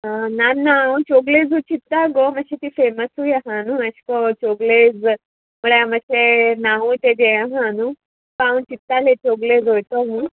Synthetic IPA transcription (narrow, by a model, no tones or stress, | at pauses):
ananːaũt͡ɕoɡled͡zut͡ɕit̪ːaɡoməɕet̪ifeməsujaɦãnuəɕkɔt͡ɕoɡled͡z | muɭeaməɕenaɦut̪ed̪ejãɦanu | pãũt͡ɕit̪ːalet͡ɕoɡled͡zɦojt̪oɦu